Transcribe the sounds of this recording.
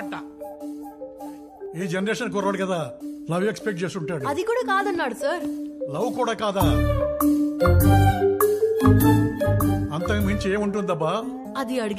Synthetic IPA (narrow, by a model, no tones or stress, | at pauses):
ɐʈːɐ | iːd͡ʒenɐɾeːʃɐnkɔːɾɐʋɐːɽikɐd̪aːlɐʋekspek̚ʈ̚t͡ʃeːsuɳʈaːɽuɐd̪ikuːɽaːkaːd̪ɐnːaːɽusaɾlɐwkuːɽaːkaːd̪aː | ɐnt̪ɐmɐɲt͡ʃieːmuɳʈ̬und̪d̪ɐbːa | ɐd̪iɐɽiɡ